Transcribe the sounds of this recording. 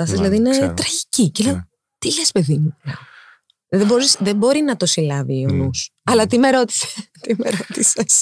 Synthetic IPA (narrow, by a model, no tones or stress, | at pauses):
ɐsɐzilɐðiinet̪ɾɐʝiciceleo | t̪ilespe̞ðimulɐo | ðeboɾisðebo̞ɾinɐt̪o̞silɐviːonusɐlɐt̪ime̞ɾo̞t̪i̥se̥t̪imeɾot̪ises